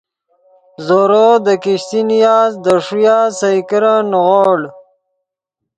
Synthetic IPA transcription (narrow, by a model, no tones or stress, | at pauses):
zoɾod̪əkiɕt̪inijaːzd̪əʂujaːsajkiɾanɣoːɽ